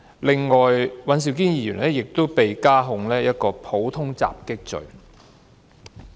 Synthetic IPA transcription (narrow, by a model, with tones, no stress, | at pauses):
lɪ˨ŋːɔː˨jwɐ˨˥ns̬i˨wkiː˥njiː˨˧jyː˨˩nlɛː˥jɪ˨k̚t̪o˥wpe˨jkaː˥ɦʊ˧ŋlɛː˥jɐ˥t̚kɔː˧pʰo˨˥wt̪ʰʊ˥ŋt͡sa̰ː˨p̚kɪ˥k̚t͡sɵ̰˨ɥ